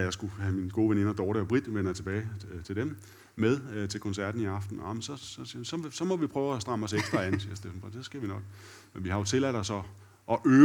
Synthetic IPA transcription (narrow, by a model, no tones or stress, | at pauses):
jɑ̈ɪsɡ̥uhæminɡ̥o̝ːʋene̝nɐd̥ɒːɾiɒb̥ʁid̥ʋenɐjat͡sʰeb̥ɛːɪt͡sʰe̝ld̥em | með̞ˠt͡sʰe̝lkʰɒ̽nsæɐd̥n̩iɑ̈fd̥n̩ɑmnsɒ̽sɒsisɒ̽sɒ̽mɒ̽ʋipʰʁœːʊæsd̥ʁɑ̈mɒ̽seɡ̥sd̥ʁɐænsiɐsd̥efn̩fʰʁin̥sesɡ̥æʋinɒ̽ɡ̥ | menʋihɑ̈jo̝t͡sʰe̝læɾ̥ɒ̽sɒ̽ | ʔɒ̽ʔøː